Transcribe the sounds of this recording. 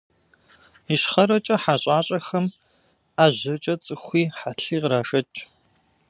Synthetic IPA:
iɕχɐɾɐt͡ʃʼɐħaɕʼaːɕʼɐxɐm | aːʑɐt͡ʃʼɐt͡sʼɨxʷiːħaɬiːqɾaːʃɐt͡ʃʼ

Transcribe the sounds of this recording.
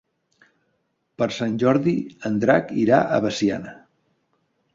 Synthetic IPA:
pəɾsanʲʒɔɾðiənd̪ɾakiɾa̰ʔə̰βəsia̰nə

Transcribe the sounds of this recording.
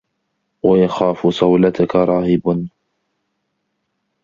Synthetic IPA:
wajaxaːfʊsˤɑwlat̪akaɾˤɑːhɪbn

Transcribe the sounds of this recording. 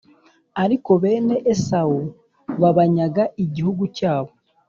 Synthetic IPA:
aɾiko̞βe̞ːne̞ʔesau | βaβaɲaɡaʔiɟihuɡucaːβo̞

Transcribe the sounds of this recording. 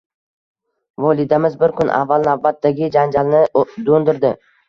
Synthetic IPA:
vɒlˠɪd̪amɪzbɪɾkʰʊnʔa̰vːalˠnavbat̪ːaɡʲɪd͡ʒand͡ʒalnɪd̪ond̪ɪɾd̪ɪ

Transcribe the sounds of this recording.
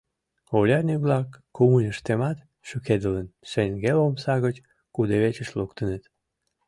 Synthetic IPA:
olʲɑrnʲiβlɑkːumunʲəʃt̪emɑt̪ | ʃyked̪ələnʃeŋɡelomsɑɣət͡ɕ | kud̪eβet͡ɕəʃlokt̪ənət̪

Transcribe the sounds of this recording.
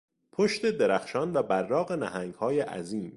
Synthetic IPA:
pʰoʃt̪e̞d̪e̞ɾæxʃɒːnvæbæɾːɒːɣe̞næɦæŋɡhɒːjeʔæ̰ziːm

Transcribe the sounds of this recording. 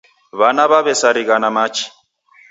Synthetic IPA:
βanaβaβɛsaɾiɣanamaːt͡ʃʰi̥

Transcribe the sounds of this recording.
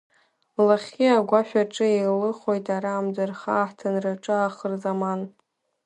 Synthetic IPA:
laχʲiaɡʷaʃʷᶣaʈ͡ʂʼɨelɨχojtʼaɾaːmd͡zarχaːħtʰanraʈ͡ʂʼɨaːχərzaman

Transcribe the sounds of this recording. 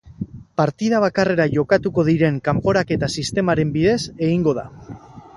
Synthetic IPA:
paɾt̪iðaβ̞akare̞ɾaʝo̞kat̪uko̞ðiɾe̞ŋkampo̞ɾake̞t̪asist̪e̞maɾe̞mbiðe̞se̞ɣiŋɡo̞ð̞a̰

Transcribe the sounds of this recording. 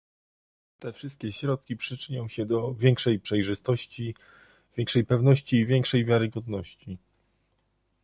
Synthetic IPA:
t̪ɛfʂɘst̪̚kʲɛɕɾɔt̪̚kʲipʂɘt͡ʂɘɲɔ̃w̃ɕɛd̪ɔvʲjɛŋkʂɛjpʂɛjʐɘst̪ɔɕt͡ɕi | vʲjɛŋkʂɛjpɛvn̪ɔɕt͡ɕiːvʲjɛŋkʂɛjvʲjaɾɘɡɔd̪nɔɕt͡ɕi

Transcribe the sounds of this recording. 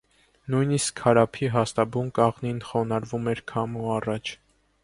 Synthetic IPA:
nujniskʰːɑɾɑpʰiɦɑst̪ɑbunkɑʁninχɔnɑɾvumɛɾkʰɑmuɑrɑt͡ʃʰ

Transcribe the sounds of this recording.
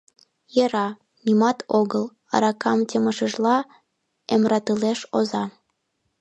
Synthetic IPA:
jeɾɑ | nʲimɑt̪ʰoɣəl | ɑ̰ɾɑkɑmtʲeməʃəʒlɑ | emrɑt̪əleʃozɑ

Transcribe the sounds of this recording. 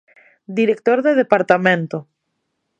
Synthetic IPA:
d̪iɾek̚t̪oɾðeðepaɾt̪amẽnt̪o

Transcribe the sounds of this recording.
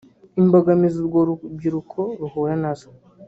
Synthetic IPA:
imbaɡamiziɾɡoɾub̚ɡiɾukʰoɾuhojanazo̥

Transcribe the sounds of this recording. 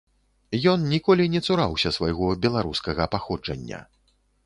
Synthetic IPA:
jɔnnʲikɔlʲinʲɛt̪suɾawsʲɐsvajɣɔbʲɛlˠaɾuskɐɣɐpaxɔd͡ʐɐ̰nʲːɐ̰

